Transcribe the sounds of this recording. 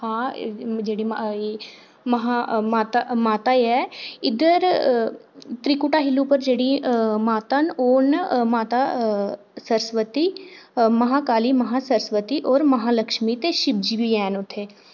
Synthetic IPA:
hãːd͡ʒeːɽiːmː | məɦamaːt̪amaːt̪aːiɛːɪd̪əɾ | t̪ɾikʊʈaːɦɪlːupəɾd͡ʒeːɽimaːt̪anoːnmaːt̪aː | səɾəsʋət̪iːməɦaːkaːliːməɦaːsəɾəsʋət̪iːʔɔːɾməɦaːləkʃmiːt̪eːʃɪb̚d͡ʒibiɛːnʊt̪ʰːeː

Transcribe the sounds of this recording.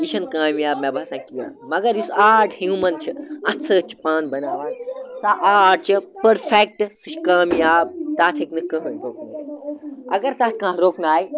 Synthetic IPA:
iʃʰɐnkaːmjaːbmebʱɐsãːkija̰ːmɐɡɐɾjusaːʈhũːmɐnt͡ʃʰiɐ̃t̪ʰsəːt͡ʃʰi̥pãːnbɐnaːʋaːsaʔaːɖ̚t͡ʃʰipɐɾpʰek̚ʈsɨʃkaːmjaːb̚t̪aːt̪ʰiknɨkɐ̃ɦɐ̃nɾoːknaː | ɐ̰ɡɐɾt̪ɐt̪̚kɐ̃ːɦɾoːknaːj

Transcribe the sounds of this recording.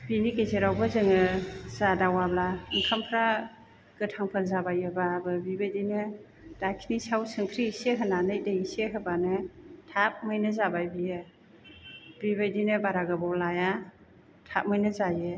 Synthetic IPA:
binikejzeɾawbɯzɯŋɯz̥adawablaɯŋkʰampʰɾa | ɡ̥ɯtʰaŋpʰɯlzabajɯbabɯbibajdinɯ | d̥akʰnisawsɯŋkʰɾiiseɦɯnanɯjdeiseɦɯbanɯtʰap̚mɯjnɯzabajbijɯ | bibajdinɯbaɾaɡabɔwlaja | tʰap̚mɯjnɯzajɯ

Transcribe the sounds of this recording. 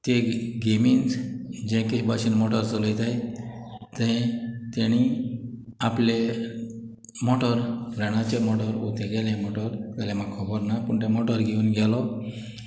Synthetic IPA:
t̪eɡemind͡zd͡ʑɛ̃kibaɕiːnmɔʈəɾt͡səlejt̪aj | t̪ɛ̃t̪eɽ̃i | aple | mɔʈəɾɾɛɽ̃at͡ɕemɔʈəɾut̪ʰeɡɛlẽmɔʈəɾɡɛlɛmakkʰɔbəɾnapuɳt̪ẽmɔʈəɾɡʱeuːnɡʱɛlɔ

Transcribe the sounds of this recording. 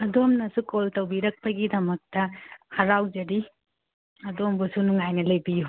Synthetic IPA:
ɐdomnɐsukoltɐwbiɾɐk̚pɐɡidɐmɐk̚tɐhɐɾawd͡ʒɐɾi | ɐdombusunuŋajnɐlɐjbiju

